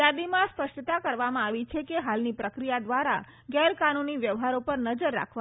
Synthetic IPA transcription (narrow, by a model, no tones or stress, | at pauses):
jad̪imãspəʃʈt̪akəɾʋamãaʋit͡ʃʰekeɦalnipɾəkɾijad̪ʋaɾa̰ | ɡɛɾkanuniʋjəʋɦaɾopəɾnəd͡ʒəɾːa̰kʰʋa